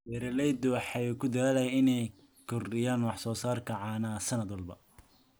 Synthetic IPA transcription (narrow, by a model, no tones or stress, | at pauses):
bɛɾɛlɛjd̪ɔwħɑjkʰʊd̪ɐaːlɐjɪnɛj | kʰɔrɪjaːnwɑħsɔːsaːrkʰɐʕɑːnaːsɐnɐd̪wɐlbɐ